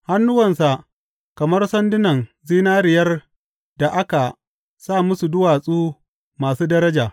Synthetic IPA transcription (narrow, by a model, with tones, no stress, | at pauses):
ha˦nːʊ˦wɐ˨nsa˨ʔ | kɐ˨mɐ˦rsɐ˦ndɪ˦nɐ˨nziː˦naː˦ɾɪ˨jɐ˦r | da˨ʔa˦ka˨ | saː˦˨mʊ˦su˨dʊ˦waː˨sʼuː˦ | maː˨suː˦dɐ˦ɾɐ˦d͡ʒaː˨